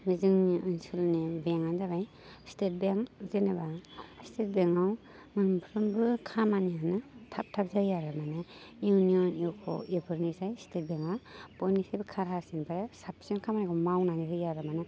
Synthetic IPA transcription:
bɯzɯŋniʔɯnsɯlnibeŋanzabaj | stet̚beŋzenabastet̚beŋaw | mɯnumpʰɾɯmbɯkʰamanianɯtʰap̚tʰap̚zajaɾamanɯjuniɔniwkʰɔ̰ipʰɯɾnisajstet̚beŋapɔjnisajbɯkʰaɾɦaɾsinpʰaɾasap̚ʰsiɔnkʰamanikʰɔmawnaniɾɯjaɾamanɯ

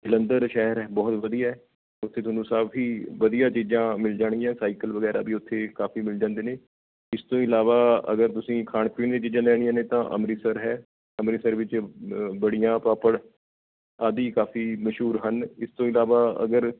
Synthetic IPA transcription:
ɡɪlənd̪əɾʃɛɦəɾɛːbɔːt̪ʋəd̪ijaːɛː | ʊt̪ʰːeːt̪ʰoːnũːsaːbɦiːʋəd̪ijãːt͡ʃiːd͡ʒãːmɪld͡ʒaːɽ̃ĩjãːsaːɪkəlʋəɡɛːɾa̰ːbʱiːʊt̪ʰːeːkaːfʰiːmɪld͡ʒãːnd̪eːneː | ɪst̪õːɪlaːʋaːə̰ɡəɾt̪ʊsĩːkʰaːɳpiːnd̪eːt͡ʃiːd͡ʒãːlɛːɽ̃ɪjãːneːt̪ãːʔə̰mɾiːsəɾɦɛː | əmɾiːsəɾʋɪt͡ʃbəɽijãːpaːpəɽ | aːd̪iːkaːfiːməʃɦuːɾɦənɪst̪õːɪlaːʋaːə̰ɡəɾ

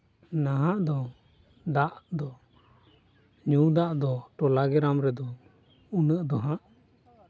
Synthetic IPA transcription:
naɦãʔd̪ɔ | d̪aʔd̪ɔ | ɲud̪aʔd̪ɔʈɔlaɡɛɾamɾɛd̪ɔ | unəʔd̪ɔɦãʔ

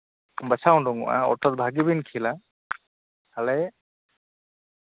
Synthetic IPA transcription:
basʰaw̃ndɔŋ̰ʔa̰ɔ̰tɔt̚bʱaɡibinkʰila | alɛ

